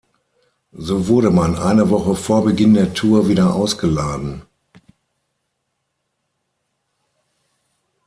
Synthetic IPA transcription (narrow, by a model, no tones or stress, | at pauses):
zoːvʊɐɾəmanʔa̰ɪnəvɔχəfoːɐbəɡɪndeːɐtʰuːɐviːdɐʔaʊsɡ̥əlaːdn̩